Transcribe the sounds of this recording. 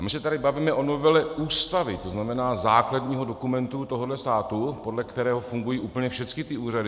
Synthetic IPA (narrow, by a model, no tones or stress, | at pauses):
amɪsɛt̪adɪbaviːmɛʔo̞no̞vɛlɛuːst̪avɪt̪oznamɛnaːzaːklad̪ɲiːɦo̞do̞kumɛnt̪ut̪oɦodlɛst̪aːt̪upo̞dlɛkt̪ɛɾɛːɦofuŋɡujiːʔuːpl̩ɲɛfʃɛt͡skɪt̪ɪuːradɪ